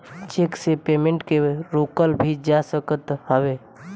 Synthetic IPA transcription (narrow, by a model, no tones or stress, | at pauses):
t͡ʃeksepemẽɳʈkeɾokəlbʱid͡ʒasəkət̪həʋe